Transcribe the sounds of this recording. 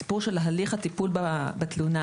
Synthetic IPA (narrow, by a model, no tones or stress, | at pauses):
i̥puʁʃelɦaliχat̪ipulbabat̪luna